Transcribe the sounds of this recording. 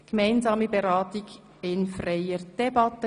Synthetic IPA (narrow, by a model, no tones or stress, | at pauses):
ɡ̥əmaɪnzɑːməbeɾɑːtɪɡ | ɪnfraɪəɾd̥ɛbɑtə